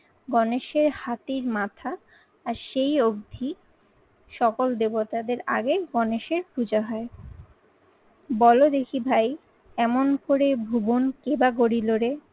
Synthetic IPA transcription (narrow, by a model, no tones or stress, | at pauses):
ɡɔneʃeɾhat̪iɾmat̪ʰaː | ɾʃejob̚d̪ʱi | ʃɔkold̪ebot̪ad̪eɾa̰ɡeɡɔneʃeɾkʰud͡ʑaɦɔe | bɔlod̪ekʰibʱaj | ɛmonkoɾebʱubonkebaɡoɾiloɾe